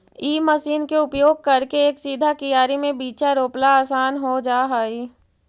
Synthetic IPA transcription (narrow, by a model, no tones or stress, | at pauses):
iːməsiːnkeʊpjoːɡ̚kɐɾkeeːksiːd̪ʱakijaːɾimẽbiːt͡ʃaɾoːplaaːsaːnɦod͡ʒaːɦaːiː